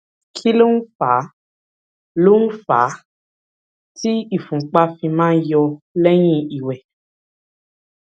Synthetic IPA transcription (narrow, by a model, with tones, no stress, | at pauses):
kʰi˦lo˦n̩˦fa˨˦ | lo˦nũ˦fa̰˨˦ | ti˦i˦˨fũ˨k͡pa˦fĩ˧mãː˦n̩˦jɔ˧lɛ˦j̃ĩ˦i˨wɛ˨